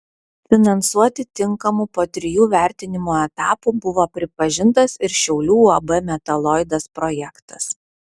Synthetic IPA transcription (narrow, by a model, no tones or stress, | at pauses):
fʲɪnɐnsuɔt̪ʲɪt̪ʲɪŋkɐmupoːt̪ʲɾʲɪjuːʋʲæˑɾʲt̪ʲɪnʲɪmoːɛt̪ɑːpuːbʊʋoːpʲɾʲɪpɐʒʲɪnt̪ɐsɪɾʃʲɛʊlʲuːɐbɛmʲɛt̪ɐlˠɔɪd̪ɐspɾɔjɛkt̪ɐ̥s